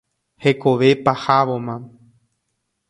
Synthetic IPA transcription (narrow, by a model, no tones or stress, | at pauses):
heko̞ʋe̞pahaʋomã